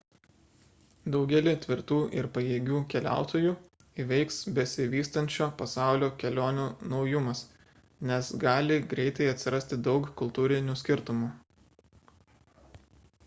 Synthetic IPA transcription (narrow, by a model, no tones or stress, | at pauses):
d̪ɒʊɡʲɛlʲɪt̪ʲʋʲɪɾt̪uːʔɪɾpɐjeːɡʲuːkʲɛlʲæ̰ˑʊt̪oːjuː | iʋʲɛɪksbʲɛsʲɪʋʲiːst̪ɐnʲt͡ʃʲoːpɐsɑˑʊlʲoːkʲɛlʲoːnʲuːnɒʊjʊmɐs | nʲɛsɡɑːlʲɪɡɾʲɛɪt̪ɐɪɐt̪ʲsʲɪɾɐsʲt̪ʲɪd̪ɒʊkkʊlˠt̪uːɾʲɪnʲuːsʲkʲɪɾt̪ʊmuː